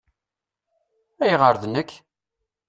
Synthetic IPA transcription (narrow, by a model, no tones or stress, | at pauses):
æjʁəɾðnəkː